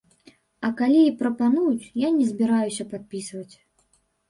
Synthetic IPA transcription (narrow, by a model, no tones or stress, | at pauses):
ɐkalʲiipɾɐpanujut͡sʲjanʲɛzʲbʲiɾajusʲɐpat̪̚pʲisvɐt͡sʲ